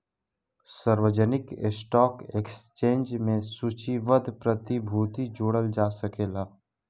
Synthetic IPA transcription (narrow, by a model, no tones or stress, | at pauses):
səɾʋəd͡ʒənɪkḛsʈɔːkekst͡ʃẽːnd͡ʒmẽsuːt͡ʃiʋəd̪ʱpɾət̪ibʱuːt̪id͡ʒoːɽəld͡ʒaːsəkeːlaː